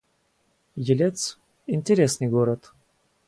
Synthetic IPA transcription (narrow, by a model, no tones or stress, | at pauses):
jɪlʲet̪s | ɪnʲtʲɪɾʲesnɨjɡoɾət̪